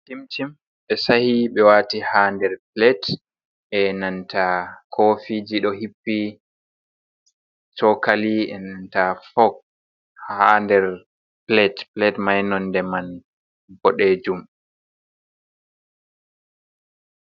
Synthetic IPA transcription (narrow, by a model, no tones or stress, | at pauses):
timtim | ɓɛsahiɓɛwaːtihandɛɾplɛt | ɛnantakʰoːfid͡ʒiɗɔɦipːi | t͡ʃɔkaliɛ̰nantafɔk | handɛɾ | plɛtplɛtmajnɔndɛman | bɔɗeːd͡ʒum